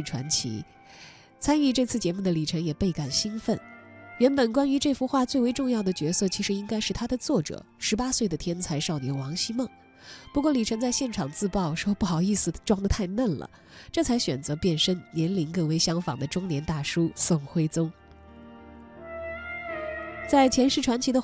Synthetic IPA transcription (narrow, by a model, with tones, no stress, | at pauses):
ʈ͡ʂʰwa̰˧˥nt͡ɕʰḭ˧˥ | t͡sʰa˥ny˥˧ʈ͡ʂɤ˥˧t͡sʰɹ̩˥˩t͡ɕjɛ˧˥mu˥˩d̪ə˩li˨˩ʈ͡ʂʰɤ˧˥ŋjɛ˨˩pe˥˩ɪka˨˩nɕi˥nfə˥˩nɥɛ˧˥npə˨˩nkwa˥ny˧˥ʈ͡ʂɤ˥˩fu˥xwa˥˧t͡swe˥˩ɪwe˧˥ɪʈ͡ʂʊ˥˧ŋjɑ˥˩ʊd̪ə˩t͡ɕɥɛ˧˥sɤ˥˩t͡ɕʰi˧˥ʂɻ̩˧˥i˥ŋka˥ɪʂɻ̩˥˩t̪ʰa˥d̪ə˨t͡swɔ˥˩ʈ͡ʂɤ̰˨˩˦ʂɻ̩˧˥pa˥swe˥˩ɪd̪ə˩t̪ʰjɛ˥nt͡sʰa˧˥ɪʂɑ˥˩ʊnjɛ˧˥nwɑ˧˥ŋɕi˥mɤ˥˩ŋ | pu˧˥kwɔ˥˩li˨˩ʈ͡ʂʰɤ˧˥ŋt͡sa˥˧ɪɕjɛ˥˩nʈ͡ʂʰɑ˨˩ŋt͡sɹ̩˥˧pɑ˥˩ʊʂwɔ˥pu˥˩xɑ˨˩ʊi˥˩sɹ̩˨˩ʈ͡ʂwɑ˥ŋd̪ə˨t̪ʰa˥˧ɪna˥˩nlə̰˩ | ʈ͡ʂɤ˥˩t͡sʰa˧˥ɪɕɥɛ̰˨˩nt͡sɤ˧˥pjɛ˥˩nʂə˥nnjɛ˧˥nli˧˥nkɤ˥˧ŋwe˧˥ɪɕjɑ˥ŋfɑ̰˨˩ŋd̪ə˦ʈ͡ʂʊ˥ŋnjɛ˧˥nt̪a˥˩ʂu˥sʊ˥˩ŋxwe˥ɪt͡sʊ˥ŋ | t͡sa˥˩ɪt͡ɕʰjɛ˧˥nʂɻ̩˥˩ʈ͡ʂʰwa˧˥nt͡ɕʰi˧˥d̪ə˧